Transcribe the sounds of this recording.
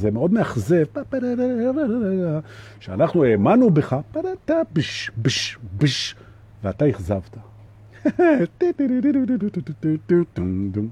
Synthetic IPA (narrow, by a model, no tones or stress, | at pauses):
zemeo̞d̪meaχzevpapeɾeɾeɾeɾeɾeɡa | ʃeanaχnuemanubeχapaɾat̪abiʃbiʃbiʃ | veat̪aiχzavt̪a | t̪it̪iɾiɾiɾududututut̪it̪ut̪ud̪u